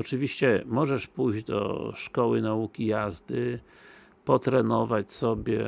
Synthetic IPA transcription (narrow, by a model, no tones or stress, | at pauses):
ɔt͡ʂɘvʲiɕt͡ɕɛmɔʐɛʂpujʑd͡ʑd̪ɔ̰ʂkɔwɘnaukʲijazd̪ɘ | pɔt̪ɾɛnɔvat͡ɕsɔbʲjɛ